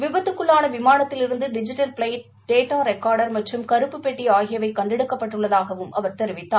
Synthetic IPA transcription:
ʋɪbɐt̪ːɯkːɯɭːaːnɐʋɪmaːnɐt̪ːɪlɪɾɯnd̪ɯɖɪd͡ʒɪʈːɐlpɭɐɪʈ̚ | ɖeːʈːaːɾɛkːaːɾɽɐɾmɐʈrɯmkɐɾɯpːɯpːeʈːiaːɣɪjɐʋɐɪkːɐɳɖɪɽɯkːɐpːɐʈːɯɭːɐðaːɣɐʋɯmɐʋɐɾt̪ɛɾɪʋɪt̪ːaː

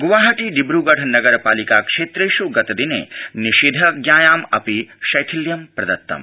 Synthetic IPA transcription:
ɡuʋaːɦɐʈiɖibɾuːɡɐʈʰnɐɡɐɾpaːlikakʂeːt̪ɾejʃuɡɐt̪ɐd̪inḛːniʃiːd̪ʱɐɡjaːjaːmɐpiʃɐjt̪ʰiljɐmpɾɐd̪ɐt̪ːɐ̰m

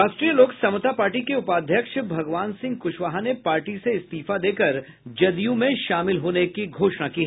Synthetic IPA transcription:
aːsʈɾijəloːksɐmʊt̪apaːɾʈikeʊpaːd̪ʱjəkʃbʱɐɡʋaːnsɪ̃ŋɡ̚kʊʃʋaːɦanepaːɾʈiseɪst̪iːfad̪eːkɐɾ | d͡ʒɐd̪ijũmẽʃaːmɪlɦoːnekiɡʱoːʃnakiɦɛ

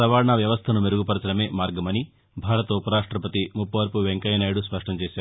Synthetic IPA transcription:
ɐʋaːɾɐɳaːʋjɐʋɐst̪ʰɐnumeɾuɡupɐɾɐsɐɾɐme̞ːmaːɾɡɐmɐni | bʱaːɾɐt̪ɐupɐɾaːʂʈɾɐpɐt̪imupːɐʋɐɾpuʋeŋkɐjɐnaːjɽuspɐʂʈʰɐmt͡ʃɛːsaː

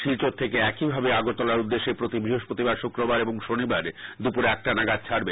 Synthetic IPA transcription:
ʃilt͡ɕot̪ʰːekeɛkibʱabeaɡot̪ɔlaɾud̪ːeʃːepɾot̪ibɾiɦoʃpot̪ibaɾʃukɾobaɾeboŋʃonibaɾd̪upuɾɛk̚ʈanaɡad̪̚t͡ɕʰaɾbe

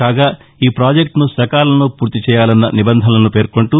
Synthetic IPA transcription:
kaːɡaː | iːpɾaːd͡ʒekʈnusɐkaːlɐnupuːɾt̪it͡ʃɛːjaːlɐnːɐ̰nibɐnd̪ʱɐnɐlɐnupe̞ːɾko̞ɳʈu

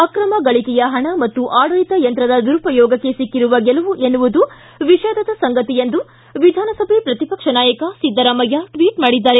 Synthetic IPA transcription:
ɐkɾɐmɐɡɐɭikɛjɐɦɐɳɐmɐt̪ːuʔaːɽɐlit̪ɐjɐnt̪ɾɐd̪ɐd̪uɾupɐjɔːɡɐkːe̞sikːiɾuʋɐɡɛlɐʋuʔenuʋud̪u | ʋiʃaːd̪ɐd̪ɐsɐŋɡɐt̪ijend̪u | ʋid̪ʱaːnɐsɐbʱepɾɐt̪ipɐkʂɐnaːjɐkɐsid̪ːɐɾɐmɐjaʈʋiːʈmaːɽid̪ːaːɾe

